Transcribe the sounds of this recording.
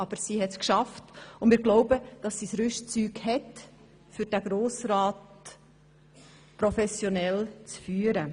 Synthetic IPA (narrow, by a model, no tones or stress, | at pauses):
ɑb̥əɾsiːɦɛtskʃɑftʊnmɪːɾɡloʊbəd̥ɑsːisɾʏʃt͡syːɡhɛt | fʏɾd̥æɡ̥ɾoːsɾɑːt̚ | pɾɔfɛsjɔnɛlt͡sfyːəɾə